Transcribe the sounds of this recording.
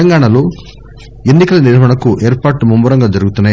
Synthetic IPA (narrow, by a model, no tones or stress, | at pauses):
ɐŋɡaːɳɐlo̞ː | e̞nːikɐlɐniɾɐɦɐɳɐkuʔeːɾpaːɾʈumumbɐɾɐŋɡaːd͡ʒɐɾuɡut̪unːaːj